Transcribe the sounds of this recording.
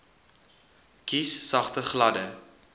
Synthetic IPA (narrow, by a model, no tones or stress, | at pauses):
kisːɐχtəχlɐdə